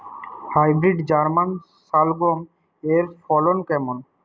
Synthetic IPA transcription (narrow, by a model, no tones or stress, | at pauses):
hajbɾiɖd͡ʑaɾman | salɡom | eɾfʰɔlonkɛmon